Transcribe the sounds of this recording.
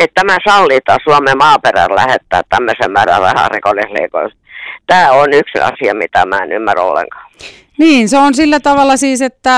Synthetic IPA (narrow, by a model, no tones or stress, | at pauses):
et̪t̪æmæsɑlːit̪ɑsuɑmemɑːperæ̰llæhet̪ːæːtt̪æmːøsemmæːræ̰rrɑhɑ̰rikolihlḛiko̰il | t̪æːonyksɑ̰siɑmit̪æmæːenymːæro̰lːḛŋkɑ̥ː | niːnseonsilːæt̪ɑʋɑlːˑɑsiːset̪ːæ